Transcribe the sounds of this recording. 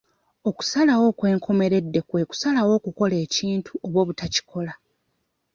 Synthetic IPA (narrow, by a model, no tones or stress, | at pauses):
oku̥salawo̞ːkwe̞ːŋkʰo̞me̞ɾe̞dːe̞kwe̞ːku̥salawo̞ːkuko̞le̞ːciːntʰuʔo̞βwo̞ːβutaci̥kʰo̞la